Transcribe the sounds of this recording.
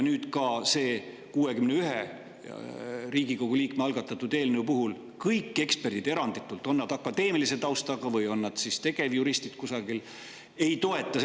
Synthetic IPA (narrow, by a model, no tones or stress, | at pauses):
nyːd̪̥kɑse̞ː | kuːe̞kymneyɦe | riːɡ̥iko̞ɡ̥uliːkmeɑlɡ̥ɑt̪ːˑɑt̪ːˑud̪e̞ːlneupuɦul | kɤjkːe̞kspe̞rd̪̥id̪e̞ɾɑnd̪it̪ːˑult̪ːˑo̞nːɑd̪̥ɑkːˑɑd̪e̞ːmiliset̪ɑwst̪ɑɡ̥ɑvɯjo̞nːɑd̪̥sist̪e̞ɡ̥e̞vjuɾist̪id̪̥kusɑɡil | e̞jt̪o̞e̞t̪ːˑɑ